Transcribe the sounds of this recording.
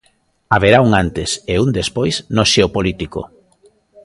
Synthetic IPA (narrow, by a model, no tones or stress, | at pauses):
aβeɾauŋant̪eseund̪espojsnoʃeopolit̪iko̰